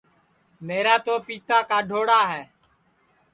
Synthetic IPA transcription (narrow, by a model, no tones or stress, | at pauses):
meːɾaːt̪oːpiːt̪ʰaːkaːɖʱoːɽaːɦɛː